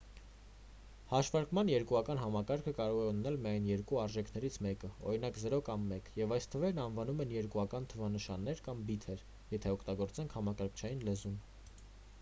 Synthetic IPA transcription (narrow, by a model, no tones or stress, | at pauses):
hɑʃvɑɾkmɑnjɛɾkuɑkɑnɦɑmɑkɑɾkʰəkɑɾɔʁɛunnɛlmiɑjnjɛɾkuɑɾʒɛkʰnɛɾit͡sʰmɛkəɔ̰ɾinɑkzəɾɔkɑmːɛkjɛvɑjst̪ʰəvɛɾnɑnvɑnumɛnjɛɾkuɑkɑnt̪ʰəvɑnəʃɑnːɛɾkɑmbit̪ʰɛɾ | jɛt̪ʰɛɔkʰt̪ɑɡɔɾt͡sɛŋkʰhɑmɑkɑɾkʰt͡ʃʰɑjinlɛzun